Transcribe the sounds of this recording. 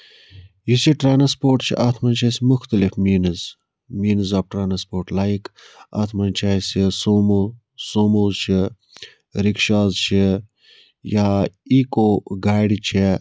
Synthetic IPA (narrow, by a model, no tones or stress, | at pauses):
ɦisiʈɾaːnɐspoːɾʈt͡ʃʰḭʔaːt̪ʰmɐnt͡ʃʰaːsmʊxt̪əlifmiːnɨz | miːnɨzaːpʈɾaːnɐspoːɾʈlaːik | a̰t̪ʰmɐnt͡ʃʰaːsisoːmo | soːmoːzt͡ʃʰi | ɾikʃaːzt͡ʃʰi | jaːikoːɡaːjɖt͡ʃʰi